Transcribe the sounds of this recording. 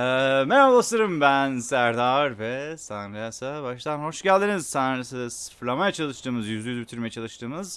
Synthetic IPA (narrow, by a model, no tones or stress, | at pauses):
ɛːmeɾablˠasɯɾɯmbænsæɾd̪aɾvɛsanɡɾejasabaʃt̪ʰanho̞ʃɟælʲd̪iniz̥sanɾssɯ̥fɾlˠamajat͡ʃʰalˠɯʃt̪ʰɯːmɯzjyzyjyzbit̪ʰyɾmejɛt͡ʃʰalˠɯʃt̪ɯːmɯz̥